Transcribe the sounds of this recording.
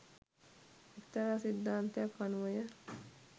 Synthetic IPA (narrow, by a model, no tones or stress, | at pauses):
ekt̪ɐɾasid̪ːaːnt̪ejakːanuʋəjə